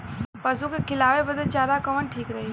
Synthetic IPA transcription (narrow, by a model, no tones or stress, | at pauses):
pɐsukekʰɪlaːʋebəd̪ət͡ʃaːɾakɐʋənʈʰiːkɾɐɦiː